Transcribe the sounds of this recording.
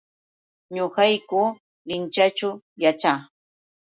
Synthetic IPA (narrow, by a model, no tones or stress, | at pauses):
ɲoɢɑjkʊ | lɪnt͡ʃat͡ʃʊ | jat͡ʃa